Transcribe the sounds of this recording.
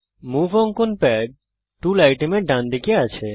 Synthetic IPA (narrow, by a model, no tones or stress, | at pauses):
muvɔŋkonpɛɖ̚ | ʈulajʈemeɾɖand̪ikeat͡ɕʰe